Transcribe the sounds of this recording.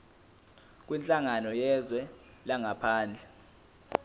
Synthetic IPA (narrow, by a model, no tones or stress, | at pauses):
k̬ʼwint͡ɬʼaŋanɔjɛzwɛ | laŋapʰaːnd͡ɮʱɛ